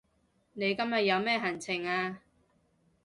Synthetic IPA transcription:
ne˨˧jkɐ˥mjɐ˨t̚jɐ˨˧wmɛː˥ɦɐ˨˩nt͡sʰɪ˨˩ŋaː˧

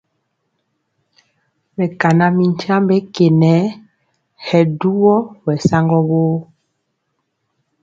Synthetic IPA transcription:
mɛ˨ka˨na˨mi˨ɲ˦t͡ʃa˦mbe˦ke˨nɛ˨˦ | hɛ˨du˦wɔ˦wɛ˨sa˦ŋɡɔ˦βo˦

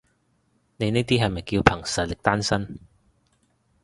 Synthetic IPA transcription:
ne˨˧jneː˥t̪iː˥ɦɐ˨jmɐ˨jkiː˧wpʰɐ˨˩ŋsɐ˨t̚lɪ˨˩k̚t̪aː˥nsɐ˥n

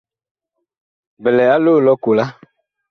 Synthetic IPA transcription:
bɛ˨lɛ˨a˦loː˦˨lɔ˦ku˨la˦

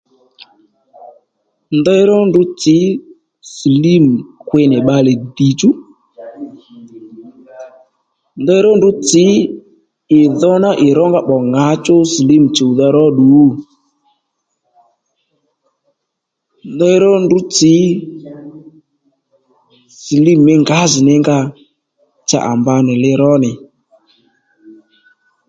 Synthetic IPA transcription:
ndɔ˦i˦ɾɔ˦ndʊ˨˦t͡sɪ˨˦ | sli˦m˨kwe˧nɪ˨ɓa˧lɛ˨di˨t͡ʃu˦ | ndɾɔ˦ndʊ˨˦t͡sɪ˨˦ | ɪ˨ðɔ˦na˦ʔɪ˨ɾɔ˦ŋɡa˦ɓɔ˨ŋa˨˦t͡ʃo˦sli˦m˨t͡ʃo˨ða˧ɾɔ˦ɗu˨˦˨ | ndɔ˦jɾɔ˦ndu˦t͡sɪ˨˦ | si˨li˦mɪ˦ŋɡa˨˦zɪ˨nɪ˦ŋɡa˧ | t͡ʃa̰˨ʔa̰˨mba˧nɪ˨lɪ˦ɾɔ˦nɪ˨

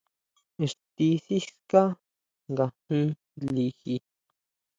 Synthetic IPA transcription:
e˧˨ʂt̪i˧θi˦ka˦ | ŋɡa˧hĩ˦ | li˧xi˧

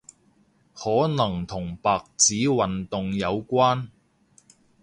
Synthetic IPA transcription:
hɔː˨˥nɐ˨˩ŋt̪ʰʊ˨˩ŋpaː˨k̚t͡siː˨˥wɐ˨nt̪ʊ˨ŋjɐ˨˧wkʷaː˥n

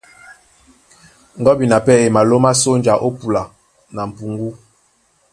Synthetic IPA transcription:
ŋ̩˨ɡɔ˦bi˨na˨pɛ˦e˨ma˨lo˦ma˦so˦n˦d͡ʒa˨ʔo˦pu˨la˨ | na˨m̩˨pu˨ŋɡu˦

